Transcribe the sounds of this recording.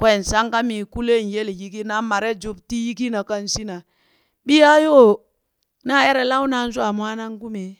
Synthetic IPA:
kwe˨n˨sa˦ŋka˦mi˨ku˦le˦˨n˨je˦lji˦ki˦na˦ma˨ɾe˦d͡ʒu˦bti˦ji˦ki˦na˨ka˦n˨si˦na˨ | bi˦ja˦jo˦˨ | na˦˨e˦ɾe˨la˦wna˨n̩˦su˦a˨m˨a˦na˦ŋ˦ku˦me˨

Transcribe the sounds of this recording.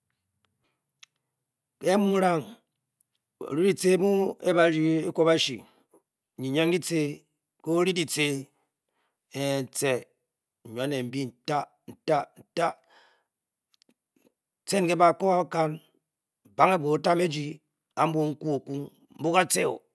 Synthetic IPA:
ke˦mu˦ɾa˦ŋ | o̰˨ɾi˦di˨t͡se˦mu˦ḛ˦ba˨ɾi˦e˦ko˦ba˦ʃḭ˨ | ɲi˨ɲe˦ŋ˦di˦t͡se˦ | ko˦ɾi˦di˨t͡se˦ | e˨n̩˨t͡se˨ | ɲ˨a˨˦ne˨m̩˨˦bi˦n̩˨ta˦ | n̩˨ta˦n̩˨ta˦ | t͡se˦n˨ke˦ba˨ko˦a˦ka˦n˨ | ba˦ŋe˦bo˨˦ta˦me˦d͡ʒi˨ | a˦m̩˦bo˦ŋ̩˦ku˦o˨ku˦ŋ | m̩˦bu˦ka˦t͡se˦o̰˨

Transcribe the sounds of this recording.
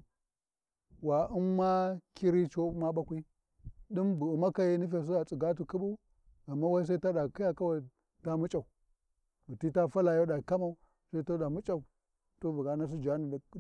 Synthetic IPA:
wa˨u˦nːa˦ki˦ɾi˦t͡ʃo˦ma˦ɓa˦kʷi˦ | ɗi˦mbu˨ma˦ka˦je˦ni˦f̬e˨s̬i˦a˨t͡sʼi˨ɡa˦t̬u˨ku˦ɓu˦ | a˨mːa˦wa˦i˦s̬a˦i˦ta˦da˨ki˦ja˨ka˦wa˦˨ | ta˦mu˦t͡ʃʼa˨u˨ | to˨ti˦ta˦fa˦la˨jo˦da˨ka˦ma˨u˦ | sa˦i˦ta˦da˨mu˦t͡ʃʼa˨u˨ | to˦vu˨ɡa˨˦na˦s̬i˦d͡ʒa˨˦ni˨

